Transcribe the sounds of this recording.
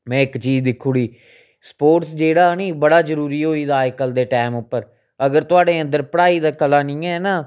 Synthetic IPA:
mɛ̃ːɪkt͡ʃiːd͡ʒd̪ɪkʰːuːɽiː | spoːʈsd͡ʒeːɽaːniːbəɽaːzəɾuːɾiːɦoːiːd̪aːjkəld̪eːʈɛːmʊpːəɾ | əɡəɾt̪ʊaːɖeːə̃nd̪əɾpəɽaːiːd̪aːkəlaːnĩːɛ̃ːnaː

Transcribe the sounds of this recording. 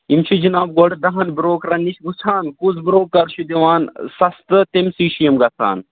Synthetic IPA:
imt͡ʃʰid͡ʒinaːbɡoɖd̪ɐɦɐnbɾoːkɾɐnːiʃɡusʰaːnkuzbɾoːkːɐɾt͡ʃʰud̪iʋaːnsɐst̪ɨt̪emsiːʃijɐmɡɐsʰa̰ːn

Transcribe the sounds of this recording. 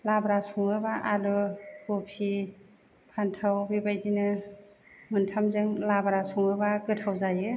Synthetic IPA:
labaɾasɔŋɯbaʔaluɡopʰi | pʰantʰawbibajdinɯ | mɯntʰamzɯŋlabaɾasuŋɯbaɡɯtʰawzajɯ

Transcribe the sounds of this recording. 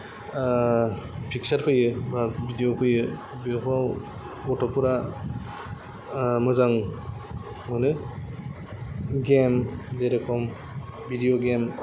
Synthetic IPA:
pʰiksaɾpʰɯjɯbabʱidijopʰɯjɯ | bipʰaw | ɔtʰɔpuɾa | mɯzaŋ | mɯnɯ | ɡemzeɾekʰɔm | bʱidijoɡem

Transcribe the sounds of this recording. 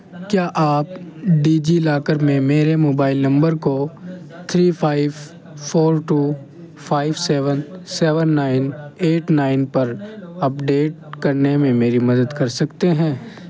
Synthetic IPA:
kjaːʔaːp̚ɖiːd͡ʒilaːkəɾmẽmeːɾemoːbaːɪlnɐ̃mbəɾko | t̪ʰɾiːfʰaːɪʋ | foːɾʈuː | fʰaːɪʋsɛːʋənsɛːʋənːaːɪneːʈnaːɪnpɐɾɐpɖeːʈ̚kɐɾnemẽmeːɾimɐd̪əd̪kɐɾsɐkt̪eɦɛ̃ː

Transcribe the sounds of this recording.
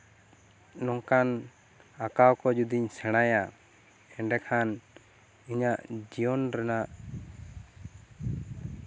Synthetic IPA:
nɔŋkan | akawkɔd͡ʒud̪iɲsɛɽ̃aja | ɛɖɛkʰan | iɲaʔd͡ʒijɔnɾɛnaʔ

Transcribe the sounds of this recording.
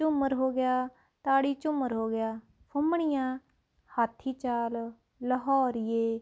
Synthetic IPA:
t͡ʃʊməɾɦoːɡɪjaː | t̪aːɽiːt͡ʃʊməɾɦoːɡɪjaː | pʰʊmɳɪjãː | haːt̪ʰiːt͡ʃaːl | ləɦɔːɾɪjeː

